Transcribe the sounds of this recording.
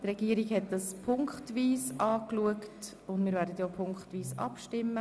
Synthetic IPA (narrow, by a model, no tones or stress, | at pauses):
trɛɡ̥iəɾiɡhɛt̚dɑspʰʊŋkχtʋiːsɑːkluəkt | ʊndmɪːɾvæːɾdətjoːpʰʊŋkχtʋiːsɑ̰pʃtɪmːə